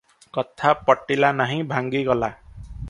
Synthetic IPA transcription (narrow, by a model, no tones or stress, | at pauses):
kʌt̪ʰːapʌʈːilanʌɦĩbʱãŋɡiɡʌla